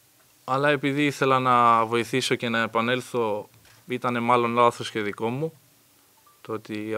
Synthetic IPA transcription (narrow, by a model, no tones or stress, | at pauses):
ɐlɐe̞piðiiθe̞lɐnɐvo̞iθiso̞ce̞nɐe̞pɐne̞lθo̞ | it̪ɐne̞mɐlo̞nlɐθosceðiko̞mu | t̪oot̪i